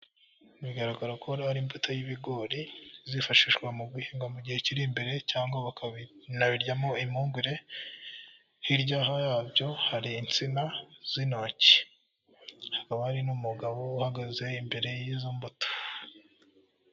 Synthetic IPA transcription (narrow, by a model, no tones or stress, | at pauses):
nuβiɡaɾaɡaɾokoɾahaɾimbutʰojiβiɡo̞ɾizifaʃiʃwamuɡwihiːŋɡamuɟiheciɾimbe̞ɾe̞caːŋɡwaβaknaβiɾɟamo̞imuːŋɡwiɾe̞ | hiɾɟaːhajaːbɟo̞haɾiːnt͡sinaz̥inoci̥ | hakaβahaɾinumuɡaβouhaɡaze̞imbe̞ɾe̞jizombuto̥